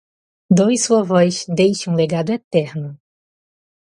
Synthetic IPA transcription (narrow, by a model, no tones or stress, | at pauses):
d̪ojɪsuɐvɔjʃd̪ejʃɐ̃ũleɡad̪ʊet̪ɛɾnʊ